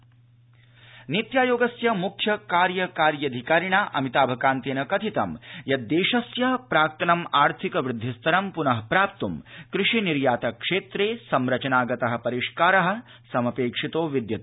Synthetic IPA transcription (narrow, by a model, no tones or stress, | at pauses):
nit̪jaːjoːɡɐsjɐmukʰjɐkaːɾjɐkaːɾjɐd̪ʱikaːɾiɳaːʔɐ̰mit̪aːbʱɐkaːnt̪eːnɐkɐt̪ʰit̪ɐmjɐːeːʃɐsjɐpɾaːk̚t̪ɐnɐmaːɾt̪ʰikɐʋɾɪd̪ʱːist̪ʰɐɾɐmpunɐɦɐpɾaːp̚t̪umkɾɪʂiniɾjaːt̪ɐkʂeːt̪ɾeːsɐmɾɐt͡ʃɐnaːɡɐt̪ɐɦɐ̆pɐɾiʂkaːɾɐɦɐ̆ | sɐmɐpeːkʂit̪oːʋid̪jɐt̪